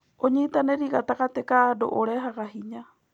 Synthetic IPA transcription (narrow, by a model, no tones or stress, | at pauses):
oɲiit̪aneɾiɣat̪akat̪ekado̰ʔoɾeɦakaɦiɲa